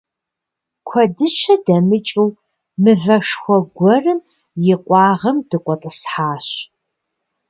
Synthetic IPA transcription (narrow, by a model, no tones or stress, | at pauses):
kʷʰɔdɨt͡ʃʰɐdɐmɨt͡ʃʼɪw | mɨvɐʂxʷɔɡʷɔrɨm | jɪqʷʼɑːʁɐmd̥ɨqʷʼɔtʼəsħaːɕ